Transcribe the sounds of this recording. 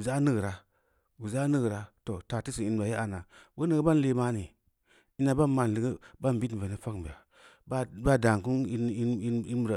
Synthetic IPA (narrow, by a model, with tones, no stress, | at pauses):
u˨za˦nɨ˦ɡɾa˦ | bu˨za˦nɨ˦ɡɾa˦to˨ta˨ti˦si˨i˨n˨ba˨ja˦a˨na˨bo˦nə˨ɡə˦ba˦n˦le˦ma˦ni˨ | i˦na˨ba˦nma˨n˨li˨ɡi˦ba˦m˨bi˦tve˨ni˦fa˦kba˨a˨ | ba˦ba˦da˨ŋ˨ku˦n˦i˦i˦i˦˨ɾa˨